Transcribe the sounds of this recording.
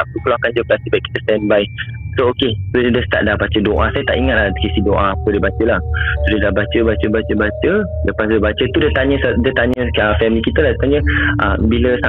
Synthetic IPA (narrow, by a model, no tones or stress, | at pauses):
aukəloakand͡ʒəplast̪ibaiʔki̥t̪əst̪ɛnbai | sookesodədəst̪a̰ʔ̚dahbat͡ʃədoʔasajət̪a̰ʔiŋat̪̚lakesidoʔaːpədiəbat͡ʃəlahsodiədaɦbat͡ʃəbat͡ʃəbat͡ʃəbat͡ʃə | ləpasdəbat͡ʃət̪udiət̪aɲəsadət̪aɲə̃əfɛmĩkit̪əladt̪aɲə̃ʔəbiləsa